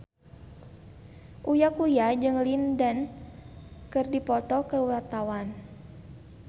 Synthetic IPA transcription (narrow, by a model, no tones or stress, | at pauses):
ʔujakujad͡ʒɨŋlindan | kɨrdipɔt̪ɔkəuwat̪awan